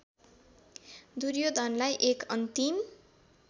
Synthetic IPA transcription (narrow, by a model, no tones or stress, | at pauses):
d̪uɾjod̪ʱʌnlajʔekʌnt̪im